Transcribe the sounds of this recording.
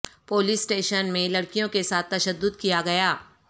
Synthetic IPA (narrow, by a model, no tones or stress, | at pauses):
poːliːsːʈeːʃənmẽlɐɽkijõkesaːt̪ːɐʃəd̪ːʊd̪kijaɡɐjaː